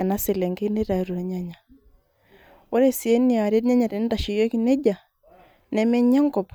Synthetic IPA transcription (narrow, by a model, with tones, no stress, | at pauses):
a˨na˦se˨lɛ˨ŋɡe˦ne˦ɾa˨i˦ɾu˨ɾa˨ɲa˦ɲa˨ | wo˦ɾe˦si˨e˦ni˦a˨ɾe˦tɲa˦ɲa˨te˨n˦nda˨ʃi˨jɔ˦ki˦nɛ˦d͡ʒa˨ | nɛ˨mɛ˦ɲa˦ŋɡɔ˨p